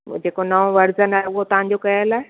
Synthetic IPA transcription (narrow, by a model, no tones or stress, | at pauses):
d͡ʑeːkonɐʋõʋɐɾzənaːɦeʊɦot̪ɐʋ̤ãɲ̆d͡ʑokɐɦəlaːe